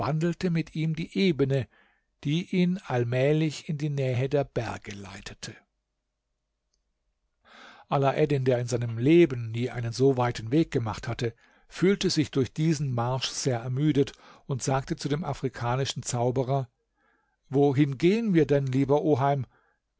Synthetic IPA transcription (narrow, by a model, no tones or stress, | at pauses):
v̥andl̩təmɪtʰiːmdiːʔeːbənə | d̥iːʔiːnalmɛːlɪçɪndiːnɛːɦədeːɐbɛɐɡəla̰ɪtʰətʰə | ʔalaʔɛdɪndeːɐɪnzaɪnəmleːbən̩ːiːʔa̰ɪnənzoːvaɪtn̩veːk̚ɡ̥əmaχthatə | fyːltəzɪçd̥ʊɐçd̥iːzn̩maɐʃz̥eːɐʔɛɐmyːdət | ʊntz̥aːk̚tət͡sudeːmʔafʁ̥ikʰaːnɪʃn̩t͡saʊbəʁɐ | voɦɪnɡeːənviːɐdɛnliːbɐʔoːɦaɪm